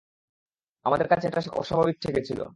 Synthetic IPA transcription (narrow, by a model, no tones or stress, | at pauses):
amad̪eɾkat͡ɕʰeɛʈaɔ̰ʃɔbʱabik̚t̪ʰeket͡ɕʰilo̰